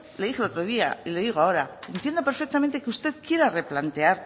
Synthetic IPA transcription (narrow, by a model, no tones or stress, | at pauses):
leixeo̞t̪ɾo̞ð̞ia̰ile̞ðiɣ̞oao̞ɾaent̪je̞nd̪o̞pe̞ɾfek̚t̪ament̪ekeust̪eðkje̞ɾare̞plant̪e̞aɾ